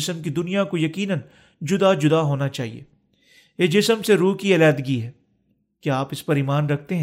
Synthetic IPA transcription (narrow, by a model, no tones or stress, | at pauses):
ɪsəmkid̪ʊnijakojɐkiːnən | d͡ʒʊd̪ad͡ʒʊd̪aɦoːnat͡ʃaːɦḭḛː | eːd͡ʒɪsəmseɾuːkielaːd̪ɡiɦɛː | keaːpɪspɐɾiːmaːnɾɐk̚ʰt̪eɦɛ̃